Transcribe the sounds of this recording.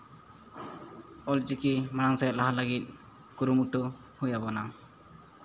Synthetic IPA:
ɔlt͡ʃikimanaŋsat̪̚laɦaləɡit̪̚ | kuɾumuʈɔ | hujabɔna

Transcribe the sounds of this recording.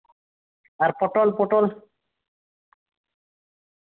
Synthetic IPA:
aɾpɔʈolpɔʈol

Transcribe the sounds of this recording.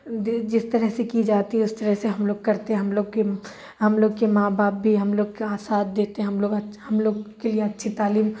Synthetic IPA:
d͡ʒɪst̪ɐɾəɦsekid͡ʒaːt̪iɦɛʊst̪ɐɾəɦseɦɐmloːɡ̚kɐɾt̪eɦɛ̃ɦɐmloːɡke | ɦɐmloːɡkemaːbaːp̚bʱiɦɐmloːɡ̚kaːsaːt̪̚d̪eːt̪eɦɛ̃ɦɐmloːɡɐɦɐmloːɡkelieɐtːʃʰit̪aːliːm

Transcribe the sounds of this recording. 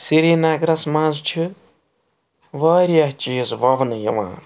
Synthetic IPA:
siɾiːnaːɡɾɐsmãːzt͡ʃʰi | ʋaːɾijɐɦt͡ʃiːzʋɐʋnɨjɐ̰ʋã̰ː

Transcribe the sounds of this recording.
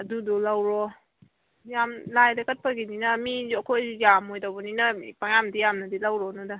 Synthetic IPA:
ɐdudɔlawɾɔ | jamlajdɐkɐt̚pɐɡininɐmiɐkʰojːamojdawbɔninɐpaŋjamdijamnɐdilawɾɔnɔda

